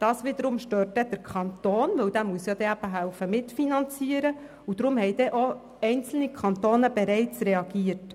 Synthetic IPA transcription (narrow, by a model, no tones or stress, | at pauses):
d̥ɑːsʋɪd̪əɾʊmʃtøːɾtːɛd̥əɾkʰɑnt̪oːnʋɵwd̥̪æːmuəsjɑd̥̪ɛæb̥əɦæʊfəmɪtfinɑnt͡siəɾə | ud̥̪ɾʊmhɛɪd̥̪ɛʔo | ɛɪnt͡sl̩nikʰχɑnt̪oːnəb̥ɛɾɛɪt͡srɛɑɡ̥iərt